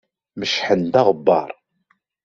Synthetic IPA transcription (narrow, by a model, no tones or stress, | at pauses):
məʃħənd̪ɑʁəbːɑ̰ɾˤ